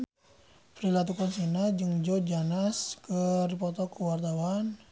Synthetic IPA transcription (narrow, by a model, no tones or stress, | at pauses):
pɾilat̪̬ukɔnsinad͡ʒɨŋd͡ʒɔd͡ʒanaskərpɔt̪ɔkəwart̪awan